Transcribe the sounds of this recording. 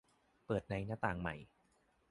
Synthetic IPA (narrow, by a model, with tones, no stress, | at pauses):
pɤː˨˩t̪̚na˧jnaː˦˥t̪aː˨˩ŋma̰˨˩j